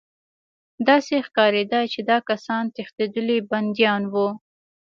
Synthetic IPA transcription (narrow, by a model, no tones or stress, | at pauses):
d̪ɑsexkɑɾed̪ɑjt͡ʃed̪ɑkasɑnt̪ext̪ed̪əliband̪ijɑnwu